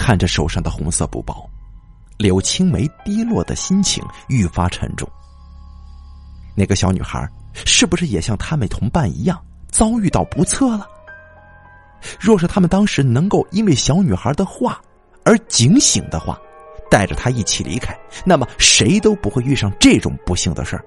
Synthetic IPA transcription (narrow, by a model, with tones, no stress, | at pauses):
kʰa˥˩nʈ͡ʂə˩ʂo˨˩ʊʂɑ˥˩ŋd̪ə˩xʊ˧˥ŋsɤ̰˧pṵ˧˥˩pɑ˥˩˦ʊ | ljo˧˥ʊt͡ɕʰi˥ŋme˧˥ɪt̪i˥lwɔ̰˥˩d̪ə̰˩ɕi˥nt͡ɕʰḭ˧˥˦ŋy˥˩fa˥ʈ͡ʂʰə̰˧˥ŋʈ͡ʂʊ̰˥˩ŋ | na˥˩ɡə˩ɕjɑ˧˥ʊny˨˩xə̰˧˥ʂɻ̩˥˩pu˩ʂɻ̩˥˩jɛ˨˩ɕjɑ˥˩ŋt̪ʰa˥mə˨nt̪ʰʊ˧˥ŋpa˥˩nḭ˧˥jɑ˥˩ŋt͡sɑ˥ʊy˥˧t̪ɑ˥˩ʊpu˧˥t͡sʰɤ˥˩lə˩ | ɻwɔ˥˩ʂɻ̩˥˩t̪ʰa˥mə˨nt̪ɑ˥ŋʂɻ̩˧˥nɤ˧˥ŋko˥˩ʊi˥nwe˥˩ɪɕjɑ˧˥ʊny˨˩xə˞˧˥d̪ə˧xwa˥˩ | ə˞˧˥t͡ɕi˧˥ŋɕi˨˩ŋd̪ə˦xwa̰˥˩t̪a˥˩ɪʈ͡ʂə˨˩t̪ʰa˥i˥˩t͡ɕʰḭ˨˩lʔḭ˧˥kʰa˥ɪna˥˩mə˩ʂe˧˥ɪt̪o˥ʊpu˧˥xwe˥˧ɪy˥˧ʂɑ˥˧ŋʈ͡ʂɤ˥˩ʈ͡ʂʊ̰˨˩ŋpu˧˥ɕi˥˩ŋd̪ə̰˦ʂə̰˞˥˩